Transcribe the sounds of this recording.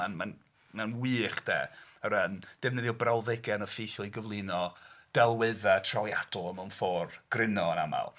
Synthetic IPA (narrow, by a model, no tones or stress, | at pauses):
anman | manwɨːχd̥ḛːəɾənd̥ɛvnɨðjɔbrawðɛɡɛnəfiθɔlˠiɡəvlˠɨnɔd̥ɛlˠwɨðatʰrɔjad̥ɔəmawnfɔːrɡ̥rɪnɔəna̰ma̰lˠ